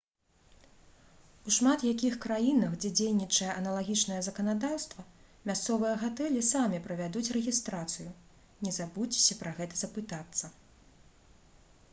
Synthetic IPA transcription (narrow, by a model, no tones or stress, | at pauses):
uʂmat̪jakʲixkɾajinɐxd͡zʲɛd͡zʲejnʲit͡ʂɐjɛʔɐnɐlˠaɣʲit͡ʂnɐjɐzɐkɐnad̪awst̪vɐ | mʲast̪sɔvɨjɐɣat̪ɛlʲisamʲipɾɐvʲad̪ut͡sʲrɛɣʲist̪ɾat̪sɨju | nʲɛzabut͡sʲi̥sʲɐpɾɐɣɛt̪ɐzɐpɨt̪at̪sːɐ